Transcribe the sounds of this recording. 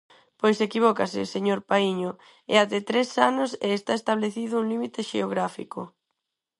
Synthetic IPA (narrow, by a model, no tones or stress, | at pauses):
pojsekiβ̞ɔkaseseɲoɾpaiɲo | ɛ̰aðet̪ɾesanʊsḛːst̪aest̪aβleθiðʊuŋlimit̪eʃḛoɣɾafḭko